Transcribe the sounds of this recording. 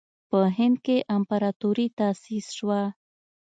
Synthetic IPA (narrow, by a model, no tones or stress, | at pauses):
pəɦɪnd̪̚keʔampaɾɑt̪oɾit̪asisʃwa